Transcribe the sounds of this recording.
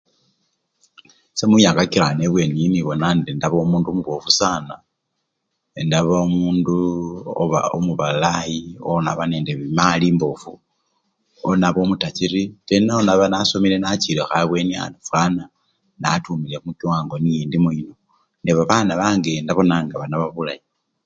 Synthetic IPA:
semujaŋɡakiɾaneβwe̞niniβo̞nandindaβoːmuːnduomuβofusaːna | endaβoomuːnduo̰βa̰omuβalajiona̰βaneːndeβimaliːmbofu | onaβo̞mutat͡ʃiɾitenaonaβanaso̞mile̞nat͡ʃilexaβwe̞nia̰nufana | natumilexumukiwaːŋɡo̞nijiːndimuino | neβaβaːnaβaːŋɡendaβo̞naːŋɡaβanaβaβulaji

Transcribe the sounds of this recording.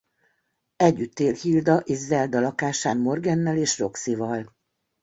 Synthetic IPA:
ɛɟːyt̪ːeːlhild̪ɒʔeːʃzɛld̪ɒlɒkaːʃaːnmo̞rɡɛnːɛleːʃro̞ksivɒl

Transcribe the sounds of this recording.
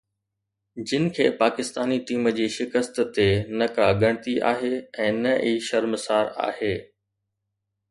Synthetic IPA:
d͡ʑɪnɪ̆kʰḛːpaːkɪst̪aːniʈiːməd͡ʑiːʃɪkəst̪t̪enɐkaɠɐɽ̃t̪iʔa̰ːɦeɛ̃ːnɐʔiːʃɐɾməsaːɾa̰ːheː

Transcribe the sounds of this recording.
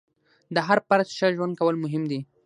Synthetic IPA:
d̪əɦaɾpaɾtʃəʒwand̪̚kawəlmʊɦɪmd̪i

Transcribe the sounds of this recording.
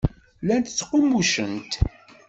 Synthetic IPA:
lænt̪ə̥t͡sːqomːuʃənt̪

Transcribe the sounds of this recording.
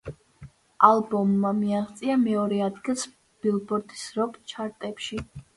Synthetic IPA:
alˠbɔmːamiaχt̪sʼiamɛɔɾɛad̪ɡilˠs | b̥ilˠbɔɾd̪i̥sɾɔkʼt͡ʃʰaɾt̪ʼɛpʃi

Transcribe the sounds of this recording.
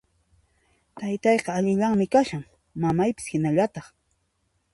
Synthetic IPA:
t̪ajt̪ɑjqɑːʎɪʎaŋmɪkaʃaŋ | mamajpɪ̥shɪnaʎat̪ɑχ

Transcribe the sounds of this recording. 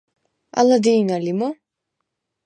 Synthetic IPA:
a̰lad̪iːnalimɔ

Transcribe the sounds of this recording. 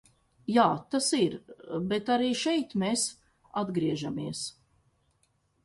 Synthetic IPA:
jaːt̪asiɾbet̪aɾiːʃɛjt̪meːs | ad̪ɡɾiɛʒamiəs

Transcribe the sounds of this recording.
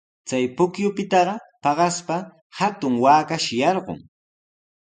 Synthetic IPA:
t͡sajpʊkjʊpɪt̪ɑɢɑpɑɢɑspa | hat̪ʊŋwaːkaʃɪjɑɾɢʊ̰ŋ

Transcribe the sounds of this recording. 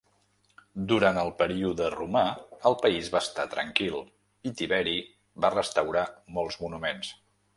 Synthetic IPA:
d̪uɾant̪əlˠpəɾiuðərumaəlˠpəizβaːst̪at̪ɾə̰ŋkilˠ | it̪iβɛɾi | βarəst̪əwɾamɔlˠzmunumens

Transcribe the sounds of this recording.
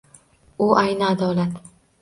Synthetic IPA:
ʊʔajnɪad̪ɒlat̪

